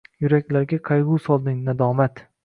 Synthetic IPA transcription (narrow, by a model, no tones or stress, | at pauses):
jʊɾakʲlaɾɡʲaqʰɑjʁʊsɒlˠd̪ɪŋnad̪ɒːmat̪